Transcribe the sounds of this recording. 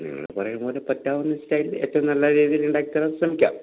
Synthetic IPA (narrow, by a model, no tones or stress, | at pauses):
nḭŋːɐ̰ɭɽepɐrɐjɐɳboːlepɐtːaːʋɐnːɨstɐjle̞ːtːɐʋɐmnɐlːɐɾiːðijiluɳɖaːkʲit̪ːaːlanɕrɐmikʲːa̰ːm